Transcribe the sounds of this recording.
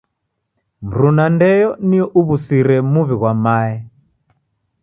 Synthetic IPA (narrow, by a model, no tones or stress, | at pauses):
m̩ɾunandɛjɔniɔʔuβusiɾɛmuβiɣwamaːɛ